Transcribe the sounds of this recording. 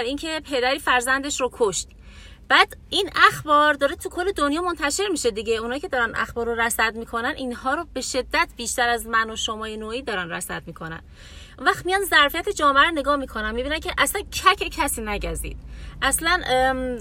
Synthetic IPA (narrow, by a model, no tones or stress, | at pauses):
æɾiːncʰe̞pʰe̞d̪æɾiːfæɾzænd̪e̞ʃɾokʰoʃt̪ | b̥æːd̪̥inæxbɒːɾd̪ɒːɾet̪ʰukʰolːe̞d̪onjɒːmont̪ʰæʃe̞ɾmiːʃed̪iɟeunhɒːjicʰe̞d̪ɒːɾænʔæ̰xbɒːɾoɾæsæd̪miːkʰo̞nænʔinɦɒːɾobe̞ʃe̞d̪ːæt̪ʰbiːʃt̪æɾæzmænoʃomɒːjenoːiːd̪ɒːɾænræsæ̰d̪̚miːkʰonæ̰n | ʔunvæxt̪mijɒːnzæɾfijæt̪ʰed͡ʒɒːmeæɾoneɡɒːhmiːkʰo̞nænmibiːnæncʰe̞ʔæslæncʰæcʰecʰæsiːnæɟæɾzḭːd̪̥ʔæslæn